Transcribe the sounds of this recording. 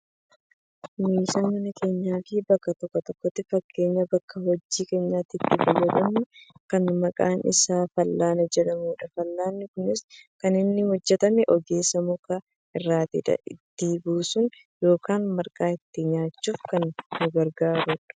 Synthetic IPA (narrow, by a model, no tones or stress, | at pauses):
miːsaːmɐnɐke̞ːɲːaːfiːbɐkːɐt̪ɔkːɔt̪ɔkːɔt̪ːɪfɐkʰːe̞ːɲːɐbɐkːɐhɔd͡ʒːiːke̞ːɲːaːt̪ːɪt̪ːɪbɐjɐd̪ɐmnʊkɐnmɐkʼa̰ːnɪ̰saːfɐlːaːnɛd͡ʒɛᶑɐmuːᶑɐfɐlːaːnːɪkʊnɪskɐnɪnːɪhɔd͡ʒːɛt̪ɐmɛʔɔɡe̞ːsːɐmʊkʼa | ʔɪrːaːt̪ɪ̰ᶑɐ̰ɪt̪ːiːbuːsʊn | jo̞ːkaːnmɐɾkʼaːɪt̪ːɪɲaːt͡ʃːuːfkɐnːʊɡɐɾɡaːɾuᶑɐ̥